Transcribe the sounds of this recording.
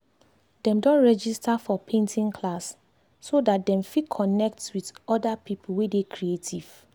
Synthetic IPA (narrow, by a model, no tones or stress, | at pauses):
dɛ̃mdɔ̃nɹɛd͡ʒistafɔpʰẽntʰĩŋkʰlasː | odat̚dɛ̃mfikʰɔnɛk̚twidɔdapʰipʰul̩wedekʰɹietʰiv̥